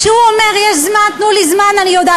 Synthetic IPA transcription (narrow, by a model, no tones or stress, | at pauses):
ʃeuomeʁjeʃzmant̪nulizmananijod̪aː